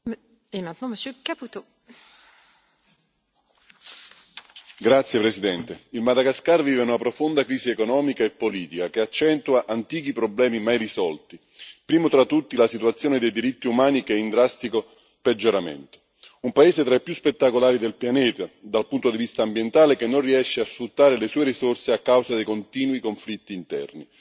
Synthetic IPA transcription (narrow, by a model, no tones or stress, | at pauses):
emɛ̃nt̪nɔ̃məsjøkaput̪o | ɡɾat̪sːjepɾesid̪ɛnt̪eilmad̪aɡaskarviːveunapɾofond̪akɾiːsiekonɔːmikaepːoliːt̪ikak̟eat͡ʃːɛnt̪uaʔant̪iːk̟ipɾoblɛːmimajrisɔlt̪i | pɾiːmot̪ɾat̪ːut̪ːilasit̪uat̪sːjoːned̪ejd̪iɾit̪ːiumaːnik̟ɛind̪ɾast̪iko | ped͡ʒːoɾamḛnt̪o̥ | umpaeːzet̪ɾaepːjuspet̪ːakolaːɾid̪elpjanɛːt̪ad̪alpunt̪od̪ivist̪aːmbjent̪aːlekenːonriɛʃːeasfɾut̪ːaːɾelesuːeɾisorseakːawsad̪ejkont̪iːnwikoɱflit̪ːiːnt̪ɛ̰rni